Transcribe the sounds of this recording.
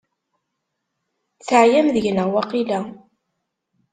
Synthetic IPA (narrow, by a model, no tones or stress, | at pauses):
θəʕjæmðəʝnəʁwaqilæ